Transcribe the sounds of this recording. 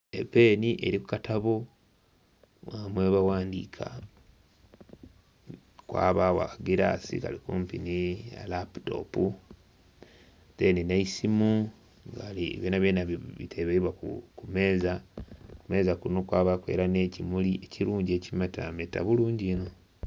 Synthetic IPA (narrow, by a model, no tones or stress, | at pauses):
ḛpe̞ːniʔe̞̰ɾiku̥katʰaβo | wamweβawaːndḭːkʰa̰ | kwa̰ːβawa̰kaɡiɾa̰sḭka̰likumpinia̰lapu̥to̰pu | teninaisimu | ŋɡaliβjeːnaβjeːnaβitʰeβeiβwakukume̞ːzakume̞ːzakunokwaːβakwe̞̰ːɾane̞cimuliʔeciɾuːɲɟe̞ːcimata̰meta̰βuluːɲɟino